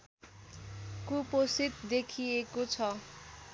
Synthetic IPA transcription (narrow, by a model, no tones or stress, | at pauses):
kuposit̪d̪ekʰijekot͡sʰʌ